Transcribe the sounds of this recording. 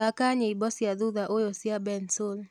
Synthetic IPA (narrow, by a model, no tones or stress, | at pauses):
akaɲeibɔsjaðuðaʔojosiabɛnsol